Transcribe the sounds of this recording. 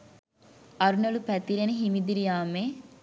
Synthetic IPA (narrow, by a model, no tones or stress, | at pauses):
ɐɾunəlupæt̪iɾeneɦimid̪iɾijaːme